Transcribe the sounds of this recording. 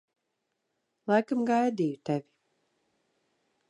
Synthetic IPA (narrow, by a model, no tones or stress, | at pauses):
lˠajkamɡajd̪iːjut̪ɛvʲi